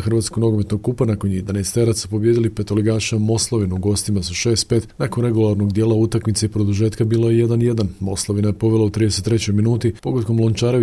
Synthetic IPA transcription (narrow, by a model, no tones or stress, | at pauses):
xɾr̩ʋat̪skoɡno̞ɡomet̪no̞ɡ̚kupanakoned̪anest̪eɾat̪supo̞bjed̪ilipet̪o̞liɡaːʃiamo̞slˠoʋinuɡo̞st̪imasuʃe̞ːst̪̚pe̞ːt̪nakonɾe̞ɡulˠaɾnoɡd̪je̞ːlaut̪akmit̪sejpɾo̞d̪uʒe̞ːt̪kabiːlojeje̞d̪anje̞d̪anmo̞slˠoʋinajepo̞ʋe̞lˠaut̪ɾid̪e̞set̪ːɾe̞t͡ɕo̞jminuːt̪ipo̞ɡot̪ko̞mlˠont͡ʃaːɾe